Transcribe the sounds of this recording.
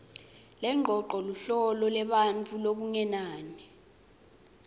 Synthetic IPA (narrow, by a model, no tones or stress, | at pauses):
lɛŋ͡ǃʱɔǃɔluɬɔlɔlɛɓant͡fʰʼulok̬uŋɛnaːni